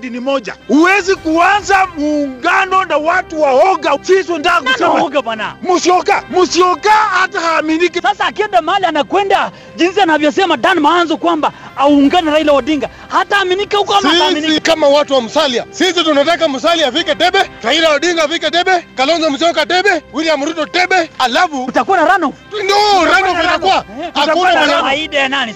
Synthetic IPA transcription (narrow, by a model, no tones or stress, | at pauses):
dinimɔʄa̰uwɛzikuanzamuːŋɡanɔnawatuwaɔɡasisɔndaɡnaɔɡabwanamusiɔkamusiɔkahatahaːminikɛsasaːkɛndamaalianakwɛnda | d͡ʒinsianavjɔsɛmaɗanmaanzɔkwambaauːŋɡanaɾailawaɗiŋɡa | hataːminikɛhukɔhamsiamisiikamawatuwam̩saliasisitunat̬ak̬am̩s̬aliafikɛtɛɓɛɾailawaɗiŋɡaafikɛtɛɓɛkalɔnzamus̬iɔkatɛɓɛwilijamuɾutɔtɛɓɛalafuutakuanaɾanɔ | ndɔɾanɔvitakuwaaauaaaiɗajanani